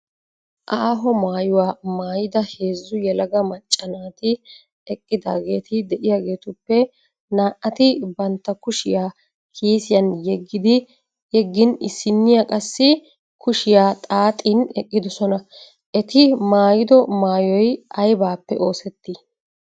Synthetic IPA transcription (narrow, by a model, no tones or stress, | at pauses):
ʔaːɦɔmaːjʊwaːmaːjɪd̪ɐhe̞ːzːʊjɛlɐɡɐmɐt͡ʃʼːɐnaːt̪ɪ | ɛkʼːɪd̪aːɡe̞ːt̪ɪd̪ɛʔɪjaːɡe̞ːt̪ʊpːɛ | naːʔɐt̪ɪbɐnt̪ːɐkʊʃɪjaː | kʰiːsɪjɐnjɛɡːɪd̪ɪ | jɛɡːɪnɪsːɪnːɪjakʼɐsːɪ | kʰʊʃɪjaːt̪ʼaːt̪ʼinɛkʼːɪd̪ɔsɔnɐ | ʔɛt̪ɪmaːjɪd̪ɔmaːjɔjʔɐjbaːpːɛ̰ʔo̞ːsɛt̪ːɪ